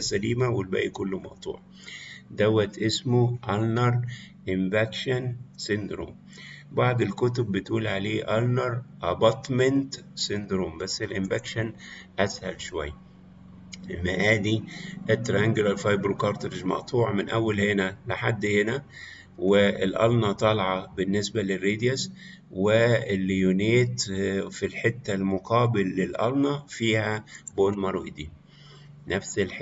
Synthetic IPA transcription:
sæliːmæwelbæ̰ːʔikʊlːmɑ̰ʔt̪ˤṵːʕ | d̪æwːæt̪ʔɪsmoʔɑlnɑɾˤ | ʔɪmbækʃænsɪnd̪ɾo̰ːm | bɑʕd̪ˤɪlkʊt̪̬ʊbːɪt̪ʔuːlʕaleːʔɑlnɑɾˤʔæbɑt̪mænt̪sɪnd̪ɾoːmbæsːɪlʔɪmbækʃanʔæshælʃowæjːæ | mæʔæːd̪iʔet̪ːɾɑʔæŋɡʊlæɾfɑjbɾwkɑɾˤt̪eɾd͡ʒmɑ̰ʔt̪ˤuːʕmɪnʔæwːælhenælɪħad̪ːhenæ | weelʔɑ̰lnɑt̪ˤɑlʕɑbɪnːesbælɪrːed̪jæz | welːjuneːt̪filħet̪ːælmʊqɑːbɪlːɪlʔɑ̰lnɑfiːhæboːnmɑɾˤṵʔd̪i | næfselħ

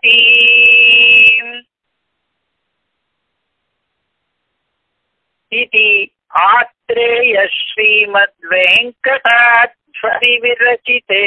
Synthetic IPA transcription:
t̪i | t̪it̪i | aːt̪ɾeːjɐʃɾiːmɐt̪̚ʋeːŋkɐt̪aːt̪̚ʃɐɾiʋiɾɐt͡ʃit̪eː

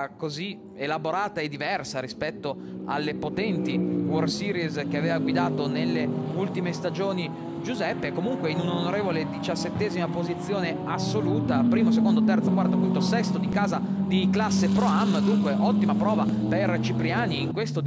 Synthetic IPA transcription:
kozi | elaboɾaːt̪aed̪ːivɛrsaɾispɛt̪ːoa̰lːepot̪ɛnt̪iworsiɾizk̟eaveːvaɡwid̪aːt̪onelːeult̪imest̪ad͡ʒoːni | d͡ʒuzɛpːekomuŋkweinunonoɾeːvoled̪it͡ʃasːet̪ːɛːzimapozit̪sːjoːne | asːoluːt̪apɾiːmosekond̪ot̪ɛrt̪sokwart̪okunt̪ːosɛst̪od̪ikaːzad̪iklasːepɾoamd̪uŋkweʔɔt̪ːimapɾɔːvapert͡ʃipɾiaːniːŋkwest̪o

